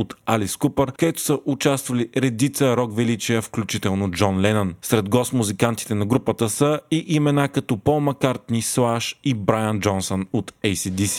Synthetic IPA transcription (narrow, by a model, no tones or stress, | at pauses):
ot̪aliskupəɾkɐd̪ɛt̪ʊ̥səʔʊt͡ʃast̪vəliɾɛd̪it̪səɾɔkvɛlit͡ʃiəfklʲut͡ʃit̪ɛlˠnod͡ʒɔnlɛnənsɾɛd̪ɡɔsmuzikant̪i̥t̪ɛnɐɡɾupət̪əsəiʔimɛnakɐt̪ɔpomɐkaɾt̪nislˠaʃibɾajənd͡ʒɔnsonot̪ɛjsid̪isi̥